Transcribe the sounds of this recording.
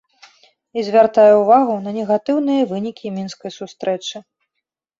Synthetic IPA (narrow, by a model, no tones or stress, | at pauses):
izʲvʲart̪ajɛuvaɣunɐnʲɛɣat̪ɨwnɨjɐvɨnʲikʲimʲinskɐjsust̪ɾɛt͡ʂɨ